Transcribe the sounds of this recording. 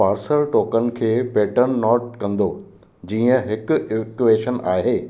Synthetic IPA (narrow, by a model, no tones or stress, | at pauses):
paːɾsəɾʈoːkənɪ̆kʰeːpɛːʈəɾnːɔːʈ̚kɐ̃nd̪o | d͡ʑiːə̃ɦɪkʊ̆ɪkueːʃənʔaːɦeː